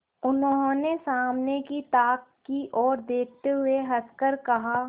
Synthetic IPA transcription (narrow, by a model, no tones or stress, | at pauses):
ʊnõnesaːmnekit̪aːkːiʔɔːɾd̪eːk̚ʰt̪eɦʊeɦɐskəɾkɐɦa